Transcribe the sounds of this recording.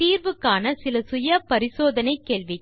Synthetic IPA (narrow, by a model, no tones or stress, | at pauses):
iːɾʋɯkːaːnɐsɪlɐsʊjɐpɐɾɪsoːðɐnɐɪkːeːɭʋɪ